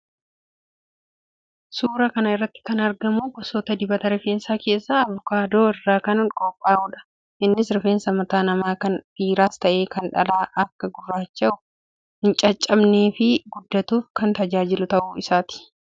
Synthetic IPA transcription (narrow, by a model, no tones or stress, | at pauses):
suːɾɐkɐnɐɪrːɐt̪ːɪ̥kɐnɐɾɡɐmukɔsoːt̪ɐd̪ɪbɐt̪ɐɾɪfe̞ːnsaːke̞ːsːaːɐvʊkaːd̪oːɪrːaːkɐnŋkʼɔpʼːaːuːᶑɐ̥ | ʔɪnːɪsɾɪfeːnsɐmɐt̪aːnɐmaːkɐnfiːɾaːst̪ɐʔe̞ːkɐnᶑɐlaːʔɐkːɐɡʊrːaːt͡ʃːɐʊ | hɪnt͡ʃʼɐt͡ʃʼːɐbneːfɪɡʊd̪ːɐt̪uːfkɐnt̪ɐd͡ʒaːd͡ʒɪlʊt̪ɐʔuːɪsaːt̪ɪ̥